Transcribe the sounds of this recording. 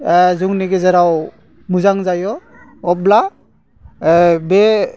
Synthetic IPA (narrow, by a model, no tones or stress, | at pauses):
zuŋneɡezəɾaw | muzaŋzajɔ | ɔpla | be